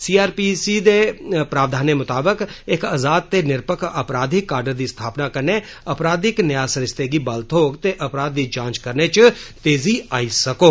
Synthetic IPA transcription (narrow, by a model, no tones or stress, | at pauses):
siːaːɾpiːsid̪epɾaːʋd̪ʱaːnemʊt̪aːbəkɪkazaːd̪̚t̪enɪɾpəkʰɐpɾaːd̪ʱikːaːɾɖəɾd̪ist̪ʰaːpnakɐɾne | ɐpɾaːd̪ɪknəjaːsəɾɪst̪eɡibɐlt̪ʰoːɡt̪eʔɐpɾaːd̪̚ːid͡ʒãːt͡ʃkəɾnet͡ʃt̪eːziaːisɐkoː